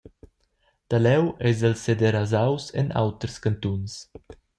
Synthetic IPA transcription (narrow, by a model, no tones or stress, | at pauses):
t̪alɛwʔɛzɛlsed̪eɾazawsɛ̰na̰wt̪ɾəskant̪uns